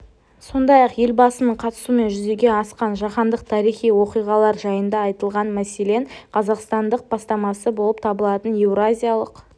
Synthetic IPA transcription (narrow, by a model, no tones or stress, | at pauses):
so̞nd̪ɑjɑqje̞lʲbɑsənəɴqʰɑt̪ə̥sume̞nʒʏzd̪e̞ɡʲe̞ɑsqɑnʒɑχɑnd̪əq̚t̪ʰɑɾijχijwo̞qijʁɑlˠɑɾʒɑjənd̪ɑɑjt̪əlˠʁɑnmæse̞le̞ɴqʰɑzɑqst̪ɑnd̪əq̚b̥ɑst̪ɑmɑsəbo̞lˠəp̚t̪ʰɑbəlˠɑt̪əne̞vɾazʲijalˠəq